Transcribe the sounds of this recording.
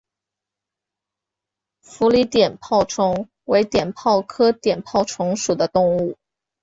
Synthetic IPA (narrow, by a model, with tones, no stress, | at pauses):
fu˧˥li˧˥t̪jɛ˨˩npʰɑ˥˩ʊʈ͡ʂʰʊ˧˥ŋ | we˧˥ɪt̪jɛ˨˩npʰɑ˥˩ʊkʰɤ˥t̪jɛ˨˩npʰɑ˥˩ʊʈ͡ʂʰʊ˧˥ŋʂu˨˩d̪ə˦t̪ʊ˥˧ŋu˥˩